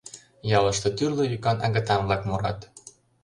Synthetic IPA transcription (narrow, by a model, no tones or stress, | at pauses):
jɑlɤ̆ʃt̪ɤ̆t̪yrlojykɑnɑ̰ɣɤ̆t̪ɑmvlɑkmoɾɑ̰t̪